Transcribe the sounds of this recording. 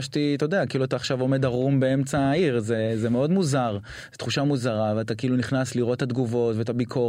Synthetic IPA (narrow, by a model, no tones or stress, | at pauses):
ʃtit̪ood̪eakiiluataːχʃavo̞me̞d̪aʁumbee̞mt͡saːiʁzezemeo̞d̪muzaʁ | zet̪χuʃamuzaʁaveat̪akiiluniχnasliʁo̞t̪had̪ɡuvo̞tveet̪abikʰo